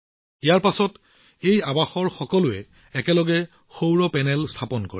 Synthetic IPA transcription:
ijaɹpasɔt | ejabaxɔɹxɔkɔlʊɛ | ɛkɛlɔɡɛ | xowɹɔpɛnɛlstʰapɔnko̰ɹi

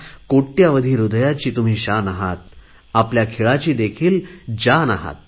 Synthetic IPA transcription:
koʈːjaʋəd̪ʱiːɾud̪jat͡ɕiːt̪um̤iːɕanaɦat̪̚ | apljakʰeɭat͡ɕiːd̪ekʰiːld͡ʑanaɦa̰t̪̚

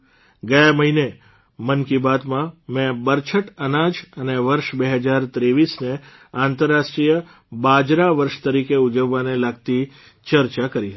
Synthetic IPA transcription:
ɡəjaməɦine | mənkibad̪mãmɛ̃bəɾt͡ʃʰəʈənad͡ʒəneʋəɾʃbeɦəd͡ʒaɾt̪ɾeʋisne | ãnt̪əɾːaʃʈɾijə | bad͡ʒɾaʋəɾʃt̪əɾikeud͡ʒəʋːanelaɡ̚t̪i | t͡ʃəɾt͡ʃakəɾiɦət̪i̥

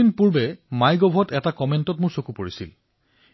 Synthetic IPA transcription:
inpuɹbɛmajɡɔbʱɔtɛtakɔmentɔtmʊɹsokupoɹisḭl

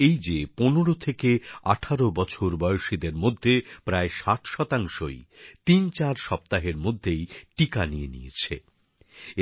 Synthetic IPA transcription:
ejd͡ʑeponoɽot̪ʰekeaʈʰaɾobɔt͡ɕʰoɾbɔjoʃid̪eɾmod̪ʱːepɾaeʃaʈʰʃɔt̪aŋʃojt̪int͡ɕaɾʃɔp̚t̪aɦeɾmod̪ʱːejʈikanijenḭjḛt͡ɕʰḛ

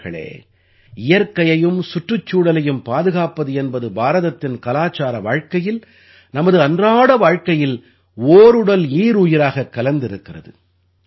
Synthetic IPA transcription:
ɣɐɭḛː | ɪjɐɾkɐjɐjɯmsʊʈrɯt͡ʃːuːɽɐlɐjɯmpaːðɯɣaːpɐðɯɛnbɐðɯbaːɾɐðɐt̪ːɪnkɐlaːt͡ʃaːɾɐʋaːɻkɐjɪl | nɐmɐðɯɐndraːɽɐʋaːɻkɐjɪl | oːɾɯɽɐliːɾuːjɪɾaːɣɐkːɐlɐnd̪ɪɾɯkːɪrɐðɯ̰

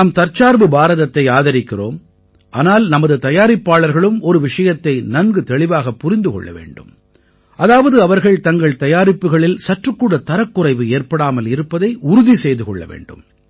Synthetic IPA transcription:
naːmt̪ɐɾt͡ʃaːɾbɯbaːɾɐðɐt̪ːɐɪaːðɐɾɪkːɪro̰ːm | ʔa̰ːnaːlnɐmɐðɯt̪ɐjaːɾɪpːaːɭɐɾɣɐɭɯmɔɾɯʋɪʂɐjɐt̪ːɐɪnɐnɡɯt̪ɛɭɪʋaːɣɐpːʊɾɪnd̪ɯkɔ̰ɭːɐ̰ʋḛːɳɖɯ̰m | ʔɐðaːʋɐðɯɐʋɐɾɣɐɭt̪ɐŋɡɐɭt̪ɐjaːɾɪpːɯɣɐɭɪlsɐʈrɯkːuːɽɐt̪ːɐɾɐkːʊrɐɪʋɯeːɾpɐɽaːmɐlɪɾɯpːɐðɐɪʔʊɾʊðisɛjðɯkɔ̰ɭːɐ̰ʋḛːɳɖɯ̰m

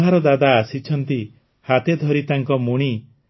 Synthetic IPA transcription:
ɦaɾɔd̪ad̪aːsit͡ʃʰɔnt̪i | hat̪ed̪ʱɔɾit̪aŋkɔmuɽ̃i

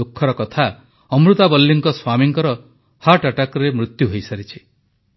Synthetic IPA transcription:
okʰːɔɾɔkɔt̪ʰa | ɔmɾut̪abɔlːiŋkɔswamiŋkɔɾɔ | haʈaʈakɔɾemɾut̪juɦojsaɾit͡ʃʰi̥

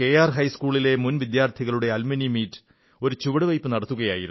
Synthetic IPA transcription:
ke̞ːjaːrɦɐjskuːɭile̞munʋid̪jaːrt̪ʰiɣɐɭuɽe̞ɐlmɐnimiːtːɨ̥ | o̞ɾut͡ɕuʋɐɽɨʋɐjpːɨnɐɽɐt̪ːuɣɐja̰ːjḭɾunː

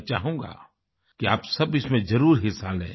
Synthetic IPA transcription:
t͡ʃaːɦũːɡa̰ː | kiaːpsɐbɪsmẽzɐɾuːɾɦɪsaːlɦɛ̰̃ː

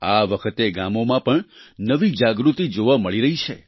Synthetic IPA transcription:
aʋəkʰət̪eɡamomãpəɳnəʋid͡ʒaɡɾut̪id͡ʒoʋaməɭiɾəɦit͡ʃʰe

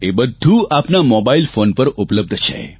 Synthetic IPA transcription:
ebəd̪ʱuapnamɔbailfonpəɾʔʊpləb̚d̪ʱt͡ʃʰḛ

